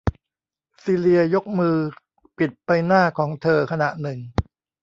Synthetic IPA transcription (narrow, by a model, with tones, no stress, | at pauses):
siː˧ɾi˧ɐjo˦˥k̚mɯː˧ | pi˨˩t̪̚pa˧jnaː˥˩kʰɔː˩˦ŋt̪ʰɤː˧kʰa˧na˨˩ʔnɯ˨˩ŋ